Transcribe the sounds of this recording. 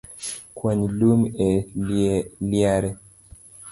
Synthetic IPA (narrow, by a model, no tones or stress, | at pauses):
kwaɲilumɛ | ljaɾɛ